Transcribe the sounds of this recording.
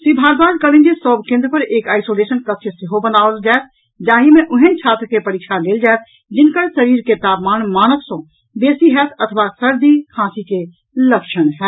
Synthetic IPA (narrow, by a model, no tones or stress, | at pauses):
sibʱaːɡbaːd͡ʒ̪kələ̃nd͡ʒesɔːbkẽːnd̪ɾpəɾeːkaːɪsoleːsənkət̪ʃʰsɪɦobənaːold͡ʒaːet̪̚ʰ | d͡ʒaːɦimẽʔʊɦẽt͡ʃʰaːt̪ɾkepəɾiːkʃaleːld͡ʒaːet̪̚ʰ | d͡ʒɪnkəɾsəɾiːɾket̪aːpmaːnmaːnəksõ | beːsiɦɛt̪ʰət̪ʰəʋasəɾd̪ikʰãːsike | ləkʃənɦɛː